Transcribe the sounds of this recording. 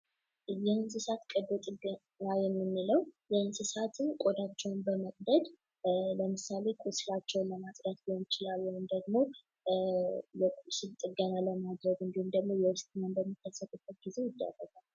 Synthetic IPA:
jɛhɨnsɨsat̪kʼəd̪ot̪ʼɨɡə | najɛmːɨnːɨləwjɛhɨnsɨsat̪ɨnkʼod̪at͡ʃːɛwnbəməkʼd̪əd̪ | ləmɨsale̞kʼusɨlat͡ʃːɛwnləmasʼɾəsbiont͡ʃɪlalːəwund̪əɡmo̞ | jɛsɨlt̪ʼɨɡənaləmad̪ɾəɡɨnd̪ihumd̪əɡmo̞jɛwɨst̪ʰʼɨnənbəmːikʰːəsːət̪ʼubət̪̚ɡ̥ize̞jɪd̪ːə̰rːəɡʼal

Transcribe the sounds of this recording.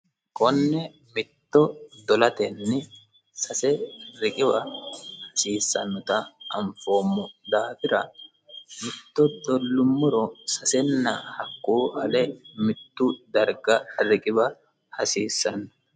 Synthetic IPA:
kʼɔnːɛ | mɪt̪ːɔd̪ɔlɐt̪ɛnːɪ | sɐsɛɾɪkʼɪbɐhɐsiːsːɐnːɔt̪ɐɐmfo̞ːmːɔd̪aːfɪɾɐ | mɪt̪ːɔd̪ɔlːʊmːʊɾɔsɐsɛnːɐhɐkːuːʔɐlɛmɪt̪ːʊd̪ɐɾɡɐɾɪkʼɪbɐ | hɐsiːsːɐnːʊ̥

